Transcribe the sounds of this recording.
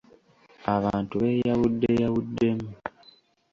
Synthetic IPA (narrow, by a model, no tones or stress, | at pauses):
aβaːntuβejaβudːejaβudːe̞mu